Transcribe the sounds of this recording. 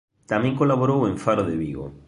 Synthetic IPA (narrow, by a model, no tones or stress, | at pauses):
t̪amẽŋkolaβoɾowẽɱfaɾoðeβiɣo̰